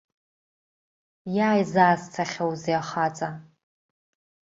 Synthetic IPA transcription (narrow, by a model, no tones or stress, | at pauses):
jaːjzaːst͡sʰaχʲawziaχat͡sʼa